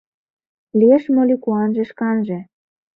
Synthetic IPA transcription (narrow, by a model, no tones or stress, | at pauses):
lieʃmolʲikuɑnʒĕʃkɑnʒĕ